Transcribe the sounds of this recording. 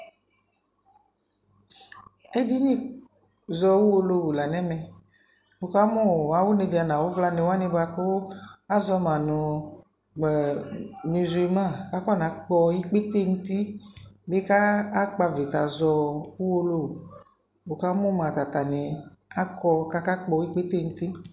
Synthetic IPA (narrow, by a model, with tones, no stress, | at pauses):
e˦di˦nĩ˦ | zɔ˧wu˦wo˧lo˦wu˨la˨nɛ̃˦mɛ̃˨ | o˨ka˦mɔ̃˦˨wa˦wo˦nẽ˨di˨a˨nã˨wo˦vla˦nẽ˨wa˦nẽ˦ba˧ko˦a˦zɔ˧mã˨nũ˨ | mi˨zu˨i˨mã˦˨ka˦kɔ˦˨nã˨˦k͡pɔ˧i˦k͡pe˦t̪e˦˨ŋu˦t̪i˦be˦kaː˦k͡pa˧ve˨t̪a˨zɔ˧wu˦wo˧lo˦wu˨ | o˨ka˦mɔ̃˦m˨ã˨t̪a˨t̪a˨ne˨a˦kɔ˧ka˦ka˦k͡pɔ˧˦i˦k͡pe˦t̪e˦˨ŋ̩˦t̪i˦